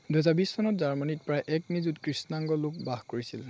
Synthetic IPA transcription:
duɦɛzabissʰɔnɔtzaɹmanit̚pɹajʔɛknizutkɹisnaŋɡɔlʊk̚baxkoɹisil

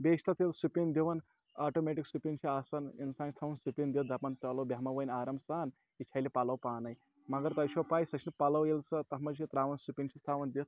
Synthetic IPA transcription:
bʲeːʃʰt̪ʰɐt̪ʰilsupʲind̪iʋɐn | aːʈoːmeʈiksupʲint͡ʃʰiaːsɐnḭnsaːnt͡ʃʰʲt̪ʰɐʋɐnsupʲind̪it̪d̪ɐpɐnt̪ɐlɐwbʲaɦmɐʋɐjnʲaːɾɐmsaːn | it͡ʃʰɐjlipalɐwpaːnɐj | mɐɡɐɾt̪ɐt͡ʃʰowpaːjsɐt͡ʃʰinipɐlɐwjelsɐt̪ɐɦmɐd͡ʒt͡ʃʰit̪ɾaːʋɐnsupʲint͡ʃʰist̪ʰaːʋɐnd̪it̪̚ʰ

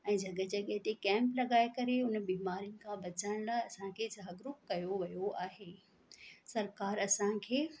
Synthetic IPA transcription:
ɛ̃ːd͡ʑʱɐɠəd͡ʑɐɠəɦɪt̪ekɛ̃ːmplɐɡaːekɐɾeʊnbiːmaːɾijʊnɪ̆kʰãbɐt͡ɕaɽ̃laːɐsãkʰeːzaːɦɡɾʊp̚kɐjoʋɐjoaːɦeː | sɐɾkaːɾɐsãkʰeː

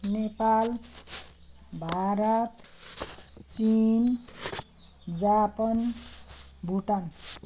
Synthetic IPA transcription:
nepal | bʱaɾʌt̪ | t͡sin | d͡zapʌn | bʱuʈan

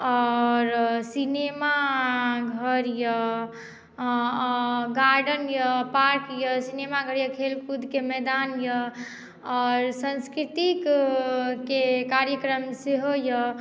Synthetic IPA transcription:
ɔɾsinema | ɡʱəɾjə | ɡaɾɖənjəpaɾkjəsinemaɡʱəɾjəkʰelkud̪ʱkemɛd̪anjə | ɔːɾsə̃nskɾit̪ik | kekaɾjəkɾəmseɦojə

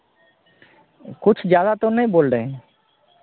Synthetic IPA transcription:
kut͡ʃʰd͡ʒjad̪at̪ɔnɛjbolɖɛ

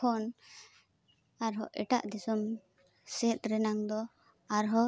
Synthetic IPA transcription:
ɔn | aɾɦɔʔɛ̰ʈa̰ʔd̪isɔm | sɛt̪̚ɾɛnaŋd̪ɔ | aɾɦɔ

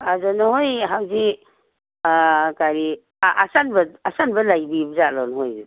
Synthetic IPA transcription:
azɔnahojɦawzi | kaɾi | ʔasanbɐasanbɐlajbibzalɔnɦoj

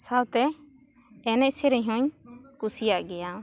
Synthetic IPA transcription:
sawt̪ɛː | nɛʔsɛɾɛɲɦũɲkusijaʔɡɛja

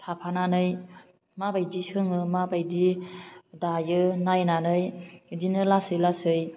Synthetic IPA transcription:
tʰapʰananɯj | mabajdisɯŋɯmabajdi | dajɯnajnanɯjdinɯlasɯjlasɯj

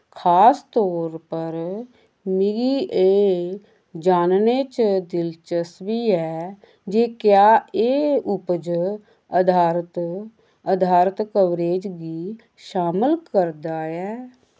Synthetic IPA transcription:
kʰaːst̪ɔːɾpəɾ | mɪɡiːʔeː | d͡ʒaːnneːt͡ʃd̪ɪlt͡ʃəsʋiːɛː | d͡ʒeːkjaːeːʊpd͡ʒ | əd̪ʱaːɾt̪ | əd̪ʱaːɾt̪kəʋɾeːd͡ʒɡiː | ʃaːməlkəɾd̪aːɛː

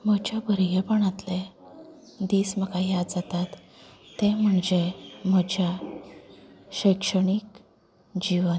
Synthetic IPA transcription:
məd͡ʑʱabəɾɡepəɳat̪le | d̪isməkajad͡zat̪at̪ː | em̤əɳd͡ʑem̤əd͡ʑʱa | ɕəkʂəɳik | d͡ʑiʋən

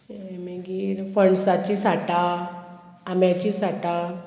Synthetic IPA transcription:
emeɡiɾfəɳsat͡ɕisaʈa | amjat͡ɕisaʈa

